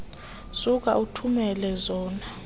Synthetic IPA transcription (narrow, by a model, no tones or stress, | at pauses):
suk̬a̰ʔutʰumɛlɛzɔːna